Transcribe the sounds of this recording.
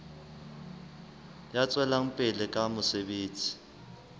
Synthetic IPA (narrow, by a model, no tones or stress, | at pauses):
jat͡sʼwɛlaŋ̩pʼɪlɪkʼamʊsebeːt͡sʰʼi̥